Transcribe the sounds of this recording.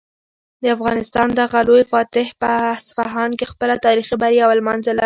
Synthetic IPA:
d̪əafɣɑnɪst̪ɑnd̪aɣalojfɑt̪ɪhpəsfaɦɑnkexpəlat̪ɑɾixibaɾjawalmanzalaɾi

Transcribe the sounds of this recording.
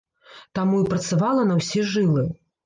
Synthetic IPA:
t̪amuipɾɐt̪savalˠɐnɐwsʲiʐɨlˠɨ

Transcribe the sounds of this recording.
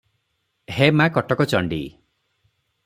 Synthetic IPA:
hemãkɔʈɔkɔt͡ʃɔɳɖḭ

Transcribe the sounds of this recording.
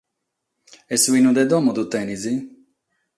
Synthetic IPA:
ɛsuwinud̪ɛd̪ɔmɔd̪ut̪ɛnizi

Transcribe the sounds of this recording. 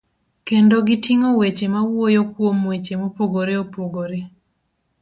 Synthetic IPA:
kendoɡɪtiŋowet͡ʃemawojokwomwet͡ʃemopoɡoɾeopoɡoɾe

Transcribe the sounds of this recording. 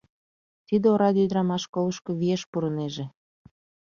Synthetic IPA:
t̪id̪eoɾɑd̪ʲid̪ɾɑmɑʃkoləʃkɤ̆βieʃpuɾəneʒe

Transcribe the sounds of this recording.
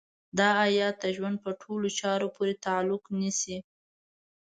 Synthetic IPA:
d̪ɑajɑt̪̚əʒwand̪̚pəʈʰolot͡ʃɑɾopʰoɾet̪aalʊknisi

